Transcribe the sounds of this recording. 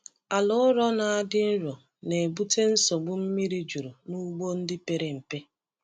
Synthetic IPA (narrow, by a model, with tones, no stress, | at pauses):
a˨lʊ˦ɾɔ˦na˨a˦dɪ˦n̩˦ɾɔ˨ | ne˨bu˦te˦n̩˦sɔ˨ɡ͡bʊ˦m̩˦mi˦ɾi˦d͡ʒu˨ɾu˨nu˦ɡ͡bo˦n̩˦dɪ˦pe˨ɾe˨m̩˨pe˦